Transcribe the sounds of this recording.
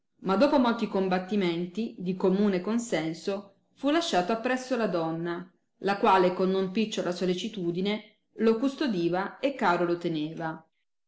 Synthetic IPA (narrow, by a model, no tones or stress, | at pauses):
mad̪ːoːpomolt̪ikombat̪ːimeɛnt̪id̪ikomuːnekonsɛnso | fulaʃːaːt̪oapːɾɛsːolad̪ɔnːa | lakwaːlekonːompit͡ʃːolasolit͡ʃit̪uːd̪ine | lokust̪od̪iːvaekːaːɾolot̪eneːva